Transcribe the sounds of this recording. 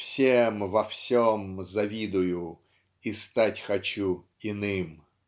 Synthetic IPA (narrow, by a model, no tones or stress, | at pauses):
sʲɛmʋɐw̥sʲɔmzɐʋʲid̪ʊjʊ | ist̪atʲxɐt͡ɕu | inɪm